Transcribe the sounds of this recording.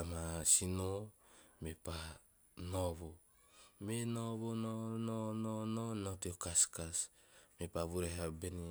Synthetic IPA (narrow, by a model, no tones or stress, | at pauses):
amasinomepa | noβo | menoβonononononotiokaskas | mepaβuɾeɦabeni